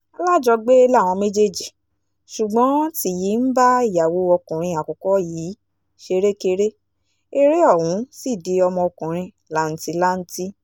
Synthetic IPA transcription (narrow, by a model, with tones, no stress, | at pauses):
a˧la˦˨d͡ʒɔ˧ɡ͡be˦la˦˨w̃ɔ̃˧me˦d͡ʒe˦d͡ʒi˨ | ʃu˨ɡ͡bɔ̃˨˦ti˦˨ji˨˦n̩˦ba˦i˦˨ja˨wo˧ɔ˧kũ˨ɾ̃ĩ˧a˨kɔ˨kɔ˨˦jiː˨˦ | ʃe˧ɾe˦ke˧ɾe˦ | e˦ɾe˦ɔ˦˨wũ˨˦si˦˨de˨˦ɔ˧mɔ̃˧ɔ˧kũ˨ɾ̃ĩ˧ | la˨˦n̩˨ti˧la˦n̩˦ti˦